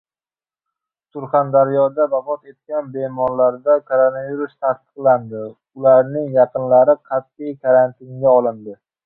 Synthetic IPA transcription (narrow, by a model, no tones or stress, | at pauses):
sʊɾχand̪aɾjɒd̪abafɒt̪e̞t̪̚kʲanbe̞mɒɾlaɾd̪akʰoɾonaviɾust̪ʰast̪ɨ̥qlˠand̪ɪ | ʊlaɾnɪŋjɑqɨnlaɾɪqʰɑt̪ːɪjkʰaɾant̪ʰɪnɡʲaɒlˠɪnd̪ɪ